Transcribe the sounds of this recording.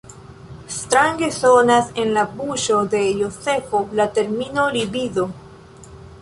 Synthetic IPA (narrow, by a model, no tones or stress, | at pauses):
est̪ɾaŋɡesonasenlapuʃoðejosefolat̪eɾminoliβiðo